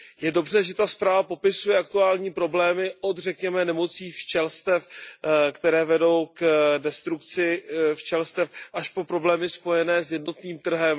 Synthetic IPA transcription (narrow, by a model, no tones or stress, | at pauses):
jɛdo̞br̝ɛʒɛt̪aspɾaːvapo̞pɪsujɛʔak̚t̪uaːlɲiːpɾo̞blɛːmɪʔo̞d̪rɛkɲɛmɛnɛmo̞t͡siːft͡ʃɛlst̪ɛfkt̪ɛɾɛːvɛdo̞wkdɛst̪ɾukt͡sɪft͡ʃɛlst̪ɛfʔaʃpo̞pɾo̞blɛːmɪspo̞jɛnɛːsjɛdno̞t̪niːmt̪r̩ɦɛm